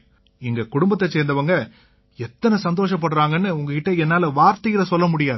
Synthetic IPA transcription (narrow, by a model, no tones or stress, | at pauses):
ɪŋɡɐkʊɽʊmbɐt̪ːɐseːɾnd̪ɐʋɐŋɡɐ | ɛt̪ːɐnɐsɐnd̪oːʂɐp̬ːɐɽɾaːŋɡɐnːɯʊŋɡɐkɪʈːɐɛnːaːlɐʋaːɾt̪ɐjɪɾɐsɔlːɐmʊɽɪjaːð